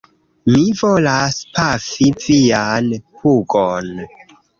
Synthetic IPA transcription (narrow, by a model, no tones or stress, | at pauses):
mivolaspafivianhuɡon